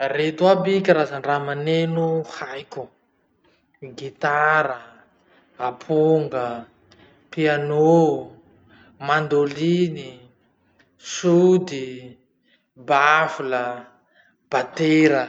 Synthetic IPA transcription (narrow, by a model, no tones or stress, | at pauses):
ret̪uabikʲaɾazaɳɖ͡ʐamanenuhajkʲu | ɡit̪aɾə | apʰuoŋɡə | piano | mand̪olini | sud̪i | bafulə | b̥at̪eɾə